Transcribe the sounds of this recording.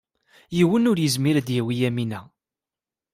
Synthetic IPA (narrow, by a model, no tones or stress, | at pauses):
jiwənʊɾjəzmiɾd̪jæwijæminæ